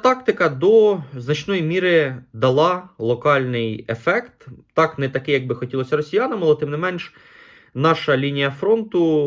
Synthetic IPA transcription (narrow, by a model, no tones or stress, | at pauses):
t̪ɑkt̪ɪkɐd̪ɔznɐt͡ʃnɔjimʲiɾɪd̪ɐlˠɑlˠɔkɑlʲnɪjefɛkt̪ː | ɑknɛt̪ɐkɪjɐɡ̚bɪxɔtʲilˠɔsʲɐɾɔsʲijɑnɐmɐlˠɛt̪ɪmnɪmɛnʃ | nɑʃɐlʲinʲijɐfɾɔnt̪ʊ